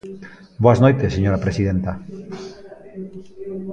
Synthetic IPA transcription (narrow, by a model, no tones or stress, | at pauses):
boaznojt̪eseɲoɾapɾesið̞ent̪a